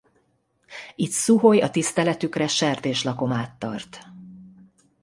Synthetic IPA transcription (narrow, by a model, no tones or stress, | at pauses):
it̪suɦo̞jɒt̪ist̪ɛlɛt̪ykrɛʃɛrt̪eːʃlɒko̞maːt̪ːɒ̰rt̪